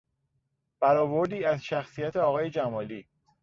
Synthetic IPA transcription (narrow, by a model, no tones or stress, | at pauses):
b̥æɾɒːboɾd̪iːæzʃæxsijæt̪ʰeɒːɣɒːje̞d͡ʒæmɒːliː